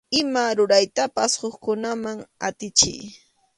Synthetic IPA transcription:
ɪmaɾʊɾajt̪apashoχkʊnamaŋa̰t̪ɪt͡ʃɪ̰j

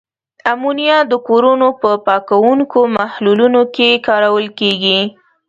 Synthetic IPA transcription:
amunjad̪əkoɾunopəpɑkawuŋkomahlulunokekɑɾawəlkeɡi

